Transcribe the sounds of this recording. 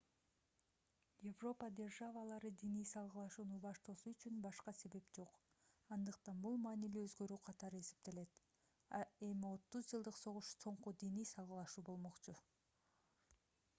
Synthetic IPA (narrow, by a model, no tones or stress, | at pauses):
jevro̞pəd̪ʲe̞rʒavəlˠɑɾɯd̪inijsɑlˠʁɯlˠɑʃuːnubɑʃt̪osuyt͡ʃynbɑʃqɑse̞βe̞pd͡ʒo̞q | ɑnd̪ɯqt̪ɑnbulˠmɑːniliøzɡø̞ɾyːqʰɑt̪ɑɾɯe̞se̞p̚t̪e̞le̞t̪ | e̞mio̞t̪ːuzd͡ʒɯlˠd̪ɯqso̞ʁuʃso̞ɴqud̪inijsɑlˠʁɯlˠɑʃuːbo̞lˠmo̞qt͡ʃu